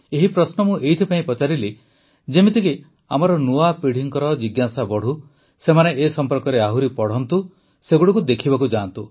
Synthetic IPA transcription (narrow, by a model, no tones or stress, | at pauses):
eɦipɾɔsnɔmũʔejt̪ʰipaĩpɔt͡ʃaɾili | d͡ʒemit̪iki | a̰mɔɾɔnuapiɽ̤iŋkɔɾɔd͡ʒiɡjasabɔɽ̤u | semaneːsɔmpɔɾkɔɾeaɦuɾipɔɽ̤ɔnt̪u | seɡuɽɔkud̪ekʰibakud͡ʒant̪u